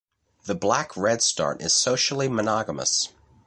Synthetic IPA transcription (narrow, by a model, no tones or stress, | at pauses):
ðɨblækʰɹɛd̥stɑ̰ɹɾʔɪ̰z̥soʊʃl̩ˠimənɑɡəmə̰s